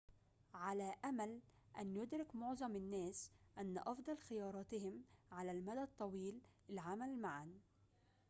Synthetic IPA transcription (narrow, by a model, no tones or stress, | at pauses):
ʕalaːʔamalʔanjʊd̪ɾɪkmʊʕzˤɑmɪnːæːsʔanːaʔɑfd̪ˤɑlxɪjɑːɾˤɑːt̪ɪhɪmʕalalmad̪at̪ˤːɑwiːlɪlʕamalmaʕan